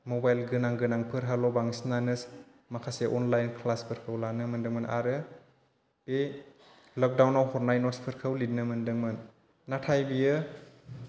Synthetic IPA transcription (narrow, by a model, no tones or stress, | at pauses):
mobajlɡɯnaŋɡɯnaŋpʰɯɾɦalɔbaŋsnanɯs | makʰaseʔɔnlajnkʰlaspʰɯɾkʰɯwlanɯmɯndɯŋmɯna̰ɾɯ | pe | lɔk̚dawnawhɔɾnajnɔtspʰɯɾkʰəwlidnɯmɯndɯŋmɯnː | atʰajbijɯ